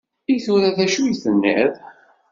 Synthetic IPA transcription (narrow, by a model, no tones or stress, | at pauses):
ijθʊɾæðæʃujθənːæ̰ð